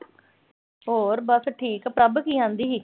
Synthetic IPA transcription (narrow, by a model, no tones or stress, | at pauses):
ɦoːɾbəsʈʰiːkpɾəbkiːãːnd̪iːɦiː